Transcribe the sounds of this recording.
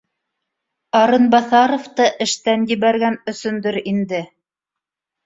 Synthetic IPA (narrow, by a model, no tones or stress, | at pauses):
ɑɾɤnbɑθɑɾŏft̪ɤʔɘ̆ʃt̪ænjɘ̆βæɾɡænɵ̆sɵ̆nd̪ɵɾind̪ɘ